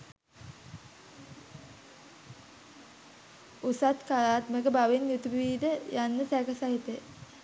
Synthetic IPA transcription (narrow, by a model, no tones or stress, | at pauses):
usat̪kaɾaːt̪məkəbaʋenjut̪iiːd̪əjanːəsækəsaɦit̪ə